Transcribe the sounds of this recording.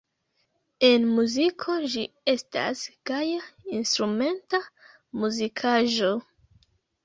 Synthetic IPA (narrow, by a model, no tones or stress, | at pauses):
e̞nmuzikʰo̞d͡ʒi | e̞sta̰sɡajainstɾume̞nta | muzikʰaʒo̞